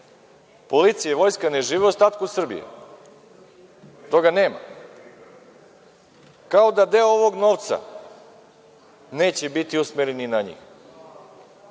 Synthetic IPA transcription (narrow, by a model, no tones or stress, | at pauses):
po̞lit̪sijeʋo̞jskaneʒiːʋeust̪aːt̪kusr̩bḭjḛ | t̪o̞ɡane̞ːma̰ | kao̞d̪ad̪e̞ooʋo̞ɡno̞ːʋt̪sa̰ | ne̞ːt͡ɕebit̪iusmeɾeninaɲḭx